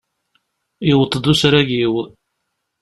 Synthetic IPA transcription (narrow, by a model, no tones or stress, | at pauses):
iwət̪ˤːd̪usɾæɡiw